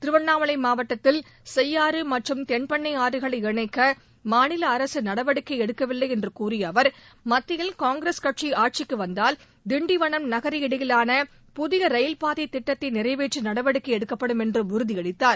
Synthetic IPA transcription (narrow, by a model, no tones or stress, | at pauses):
t̪ɪɾɯʋɐɳːaːmɐlɐɪmaːʋɐʈːɐt̪ːɪl | sɛjːaːɾɯmɐʈrɯmt̪ɛɳpɐɳːɐɪaːɾɯɣɐɭɐɪɪɳɐɪkːɐ | maːnɪlɐːɾɐsɯnɐɽɐʋɐɽɯkːɐɪɛɽɯkːɐʋɪlːɐɪɛndrɯkuːɾɪjɐːʋɐɾ | mɐt̪ːɪjɪlkaːŋɡɾeskɐʈ̚t͡ʃiaːʈ̚t͡ʃɪkːɯʋɐnd̪aːl | d̪ɪɳɖɪʋɐɳɐmnɐɣɐɾiɪɽɐjɪlaːnɐ | pʊðɪɣɐɾɐjɪlpaːðɐɪt̪ːɪʈːɐt̪ːɐɪnɪrɐɪʋeːʈrɯnɐɽɐʋɐɽɯkːɐɛɽɯkːɐpːɐɽɯmɛndrɯʊɾɯðɪɐɽɪt̪ːaːɾ